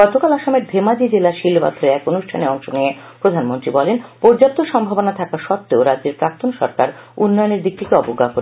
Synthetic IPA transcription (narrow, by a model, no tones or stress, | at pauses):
ɡɔt̪okalaʃomeɾd̪ʱemad͡ʑid͡ʑelaʃilba̰t̪ʰoɾeɾɛkonuʃʈʰaneɔŋʃoniepɾod̪ʱanmont̪ɾibɔlenpɔɾd͡ʑap̚t̪oʃɔmbʱabonat̪ʰakaʃɔt̪ːeoɾad͡ʑːeɾpɾakt̪onʃɔ̰ɾkaɾunːɔjoneɾd̪ik̚t̪ikeɔpoɡːakoɾe